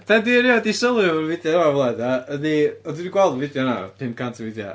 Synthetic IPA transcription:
d̥adiɾiɔdisəlˠɨrvɪdjɔavlˠadaəðiɔdwniɡwɛlˠdvɪdjɔna̰pʰɪnkʰantʰəvɪdjɔ̰

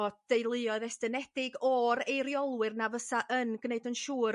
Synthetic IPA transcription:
ɔd̥ejlˠɨɔðɛstənɛd̥ɪɡɔɾejɾjɔlˠwɨrnavəsaʔənɡneɨdənʃuːɾ

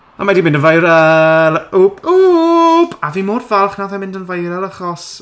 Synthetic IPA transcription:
amadimɪndənvajɾɛlˠopu | pʰaviːmoːrvalˠχnavɛmɪ̃ndənvajɾɛlˠaχɔs

